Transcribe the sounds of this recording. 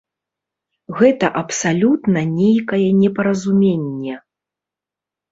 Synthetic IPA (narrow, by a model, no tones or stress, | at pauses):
ɣɛt̪ɐʔɐpsalʲut̪nɐnʲejkɐjɛnʲɛpɐɾɐzumʲenʲːɛ